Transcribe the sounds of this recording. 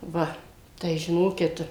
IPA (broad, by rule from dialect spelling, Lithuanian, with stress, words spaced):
ˈʋɐ tɐɪ ʒʲɪˈnoːkʲɪt